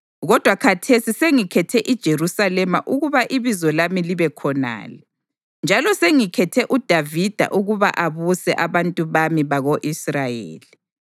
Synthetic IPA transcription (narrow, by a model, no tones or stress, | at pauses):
ɣɔd̥ʱwakʰatʰesiseŋikʰɛtʰɛʔid̥ʒ̥ʱerusalɛmaʔuɣuβaʔiβizɔlamiliβɛkʰɔna̰ːlɛ | nd͡ʒʱalɔseŋikʰɛtʰɛʔud̥ʱavid̥ʱa̰ʔuɣuβa̰ʔaβusɛ̰ʔaβantʼuβamiβaɣoʔisrajḛːli